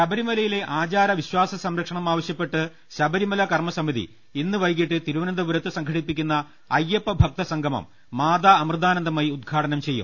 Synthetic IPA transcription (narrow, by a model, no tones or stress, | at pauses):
ɕɐbɐɾimɐlɐjile̞ʔaːt͡ɕaːɾɐʋiɕwaːsɐsɐmɾɐkʂɐɳɐmaːʋɐɕjɐpːe̞ʈːɨ | ɕɐbɐɾimɐlɐkɐrmɐsɐmiðḭ | inːɨʋɐjk̬ːiʈːɨt̪iɾuʋɐnɐnd̪ɐbuɾɐt̪ːɨsɐŋɡʱɐɽipːikʲːunːɐ | ɐjːepːɐbʱɐk̚t̪ɐsɐŋɡʱɐmɐ̰mː | aːd̪aːɐmrɨd̪aːnɐnd̪ɐmaːjiud̪̚ɡʰʱaːʈɐnɐmt͡ɕe̞jːṵm